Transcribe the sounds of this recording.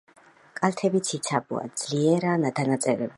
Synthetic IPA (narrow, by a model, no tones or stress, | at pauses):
kʼalt̪ʰɛbit̪sʰit̪sʰabṵa̰d̪z̥liɛɾanad̪anat̪sʼɛɾɛb